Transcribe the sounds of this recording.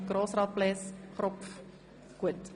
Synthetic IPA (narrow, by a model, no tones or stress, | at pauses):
ɡroːsrɑt̚plɛsχrɔpf | kuət